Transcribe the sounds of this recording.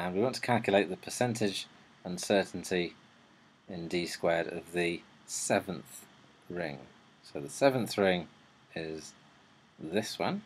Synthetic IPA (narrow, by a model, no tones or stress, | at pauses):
ə̃nwiwɒ̃ntʰə̥kʰalˠkʰjəleɪʔ̪ðəpʰəsɛ̃ntʰɪd͡ʒ | ə̃nsɜˑʔn̩tʰi | ɪ̃ndiskwɛːɾə̰vðə | sɛvə̃nθ | ɹɪ̰̃ŋ | soʊðəsɛvə̃nθɹɪ̃ŋ | ɪz | ðɪswʌ̰̃n